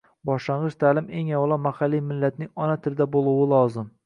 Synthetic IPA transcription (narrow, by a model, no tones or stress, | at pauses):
bɒʃlaɴʁɨʃt̪ʰaːlɪmeŋawlˠɒmahalːijmɪlːat̪̚nɪŋɒnat̪ʰɪɾd̪abolˠuwɪlˠɒzɪm